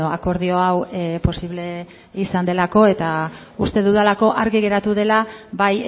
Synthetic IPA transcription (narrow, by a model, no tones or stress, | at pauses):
oako̞ɾð̞io̞awpo̞siβle̞ | isand̪e̞lako̞e̞t̪a | ust̪e̞ðuðalako̞ʔaɾɣiɣ̞e̞ɾat̪uð̞e̞laβaj